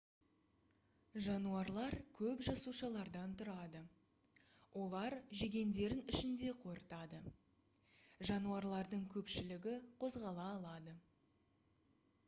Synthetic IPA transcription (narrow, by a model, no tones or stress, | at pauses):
ʒɑnuɑɾlˠɑɾkʲʰɵpʒɑsuʃɑlˠɑɾd̪ɑnt̪ʰʊɾɑd̪ə | wʔo̞lˠɑɾʒe̞ɡʲe̞nd̪e̞ɾɪnɪʃɪnd̪e̞qʰo̞ɾət̪ɑd̪ə | ʒɑnuɑɾlˠɑɾd̪əɴkʲʰɵpʃɪlɪɡʲɪqʰo̞zʁɑlˠɑːlˠɑd̪ə